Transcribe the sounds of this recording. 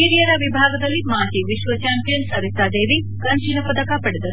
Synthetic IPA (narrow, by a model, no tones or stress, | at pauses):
iɾijɐɾɐʋibʱaːɡɐd̪ɐlːimaːt̪iʋiʃʋɐt͡ʃaːmpijɐnsɐɾit̪aːd̪eːʋi | kɐnt͡ʃinɐpɐd̪ɐkapɐɽed̪ɐɾu